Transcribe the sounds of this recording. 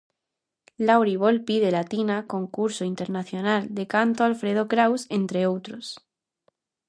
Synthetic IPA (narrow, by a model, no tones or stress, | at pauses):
lawɾiβ̞olpiðe̞lat̪inako̞ŋkuɾsoint̪eɾnaθjonald̪e̞kant̪oalfɾeð̞okɾawsent̪ɾeowt̪ɾos